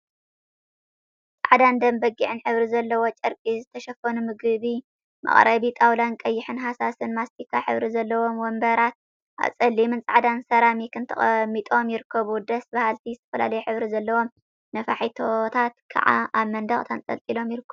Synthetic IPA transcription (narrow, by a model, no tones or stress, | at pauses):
t͡sʼa̰ʕd̪and̪ɐmbɐɡiʕɨnħɨβɾizɐlːɐwot͡ʃʼɐɾkʼizɨt̪ʰɐʃɐfɐnumɨɡɨβi | mɐ̰χʼɾʔɐβit̪ʼawlankʼɐjːɪħɨnɦasasɨnmast̪ʰikʰːaħɨβɾizɐlːɐwo̞mwɔmbɐɾat̪̚ | ʔa̰βsʼɐlːimɨnt͡sʼaʕd̪ansɐɾamikʰɨnt̪ʰɐχʼɐmːit̪ʼo̞mjɪɾɨkʰːɐβud̪ɐsbahalt̪ʰizɨt̪ʰɐfɐla̰lɐjuħɨβɾizɐlːɐwo̞m | nɐfaħit̪ʰo̞t̪ʰat̪kʰa̰ʕa̰aβmɐnd̪ɐχʼt̪ʰant͡s̪ʼɐ̰lt̪ʼilo̞mjɪɾɨkʰːɐ